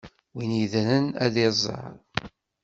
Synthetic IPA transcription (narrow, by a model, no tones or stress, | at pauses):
winiðɾənæðizˤːɑ̰ɾˤ